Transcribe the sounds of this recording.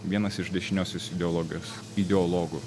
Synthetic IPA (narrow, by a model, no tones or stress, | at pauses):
ʋʲiɛnɐsɪʃd̪ʲɛʃʲɪnʲoːsʲoːsɪd̪ʲɛɔlˠɔːɡʲɪjoːs | ɪd̪ʲɛɔlˠɔːɡʊ